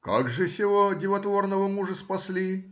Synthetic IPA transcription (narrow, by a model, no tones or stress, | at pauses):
ka̰ɡʐɨsʲɪvodʲɪvɐt̪vornəvəmuʐəspɐsʲlʲi